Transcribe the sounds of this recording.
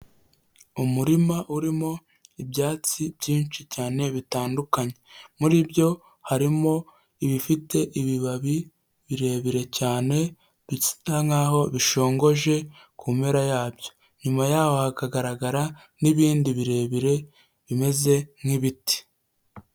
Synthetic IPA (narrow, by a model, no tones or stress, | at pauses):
umuɾimaʔuɾimo̞ | ibɟaːt͡sibɟiːnt͡ʃicaːne̞βitaːndukaɲe̞muɾibjo̞ | haɾimo̞ | iβifite̞ʔiβiβaβi | βiɾe̞ːβiɾe̞caːne̞ | βici̥taŋaːɦo̞βiʃo̞ːŋɡo̞ʒe̞ | kume̞ɾajaːbjo̞̥ | ɲumajaːho̞hakaɡaɾaɡaɾa | niβiːndiβiɾe̞βiɾe̞ | βime̞ze̞m̥hiβiti̥